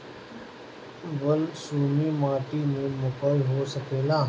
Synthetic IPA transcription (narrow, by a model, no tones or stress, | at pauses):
bəlsuːmiːmaːʈiːmẽmʊkəlɦoːsəkeːlaː